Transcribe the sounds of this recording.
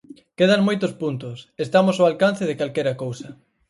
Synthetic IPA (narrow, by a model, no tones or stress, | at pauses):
keð̞ɐŋmojt̪ʊspunt̪ʊsest̪amosoalkan̟θeðɪkalkɛɾɐkowsɐ